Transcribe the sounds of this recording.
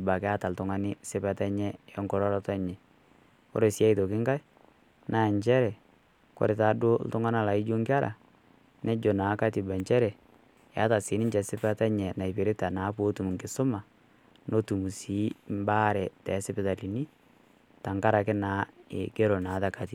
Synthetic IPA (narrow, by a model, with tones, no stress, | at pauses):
ba˨kɛ˨˦a˦ta˨ltʊ˨ŋa˦nɪ˦sɪ˦pa˨ta˦ɲɛ˦ɔ˦ŋkɔ˦ɾɔ˦ɾɔ˦ta˦ɲɛ˨ | kɔ̰˦ɾe˨sja˦ito˨kɪ˦ŋka˦j | nʔa˦˨ɲt͡ʃɛ˦ɾɛ˨ | kɔ̰˦ɾe˨ta˨˦dʊ˦ltʊ˦ŋa˦na˦˨la˨ɪ˦d͡ʒo˦ŋɡɪ˦a˦ɾʔa̰˨ | nɛ˦d͡ʒo˨naː˨˦ka˦ti˨ba˨ɲt͡ʃɛ˦ɾɛ˨ | ja˦ta˨sɪ˨˦nɪ˦ɲt͡ʃɛ˨sɪ˦pa˦ta˦ɲɛ˨na˨i˨pe˨ɾɪ˦ta˨naː˨˦po˦tu˨m˨ŋkɪ˨sʊ˦ma˨ | no˦tu˨mu˨si˨˦mba˦ɾɛ˨tɛ˨˦sɪ˦pɪ˦ta˨li˨ni˦ | ta˨ŋka˦ɾa˨kɪ˦naː˨˦ɪ˨ke˦ɾo˨na˨˦ta˨ka˨ti˨